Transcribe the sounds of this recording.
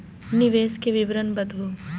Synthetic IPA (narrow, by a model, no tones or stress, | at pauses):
niʋeːskeʋiʋɾɐnbɐd̪ʋu